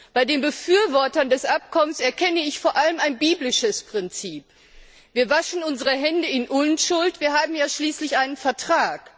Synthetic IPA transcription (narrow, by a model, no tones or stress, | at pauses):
b̥aɪdeːnbəfyːɐvɔɐtɐndɛsʔap̚kʰɔmənsɛɐkʰɛnəɪçfoːɐʔaləmaɪnbiːblɪʃəspʁ̥ɪnt͡siːp | viːɐvaʃn̩ʊnzəʁəɦɛndəɪnʔʊnʃʊltv̥iːɐɦaːbm̩jaːʃliːslɪçʔaɪnənfɛɐtʁ̥aːk